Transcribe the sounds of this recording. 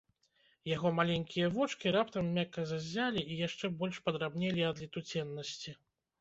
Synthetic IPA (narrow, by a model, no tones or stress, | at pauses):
jaɣɔmalʲɛnʲkʲijɐvɔt͡ʂkʲiɾapt̪ɐmːʲakːɐzazʲːalʲiijaʂt͡ʂɛbɔlʲʂpɐd̪ɾabnʲelʲiɐd̪lʲit̪ut͡sʲɛnːɐsʲt͡sʲi